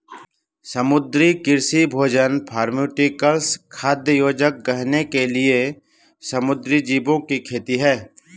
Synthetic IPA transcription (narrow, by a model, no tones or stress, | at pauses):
səmʊd̪ɾikɪɾsibʱoːd͡ʒənpʰaːɾmuːʈikəlskʰaːd̪jəjoːd͡ʒək̚ɡɐɦnekelie | sɐmʊd̪ɾid͡ʒiːbõkikʰeːt̪iɦɛː